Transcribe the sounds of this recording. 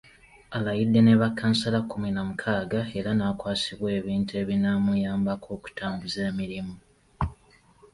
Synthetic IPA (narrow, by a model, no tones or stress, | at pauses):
alajidːe̞ne̞βakːansalakʰːuminamukʰaːɡae̞ɾanaːkwaːsiβwe̞ːβiːntue̞ːβinamujaːmbakʰo̞ːku̥tʰaːmbuzeːmiɾimu